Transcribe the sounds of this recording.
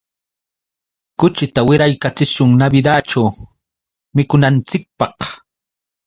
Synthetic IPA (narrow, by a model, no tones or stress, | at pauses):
kʊt͡ʃɪt̪awɪɾajkat͡sɪʃʊŋnabɪd̪aːt͡ʃaw | mɪkʊnant͡sɪk̚pɑq